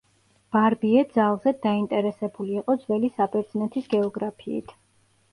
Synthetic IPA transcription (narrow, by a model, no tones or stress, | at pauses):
b̥aɾbiɛd̪zalˠzɛd̪aint̪ʼɛɾɛsɛbuliːqʼɔd̪zvɛlisabɛɾd̪z̥nɛt̪ʰisɡɛɔɡɾapʰḭːt̪ʰ